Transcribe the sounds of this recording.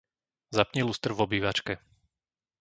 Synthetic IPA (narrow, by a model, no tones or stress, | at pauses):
zapɲiluːst̪r̩vɔbiːʋat͡ʃkɛ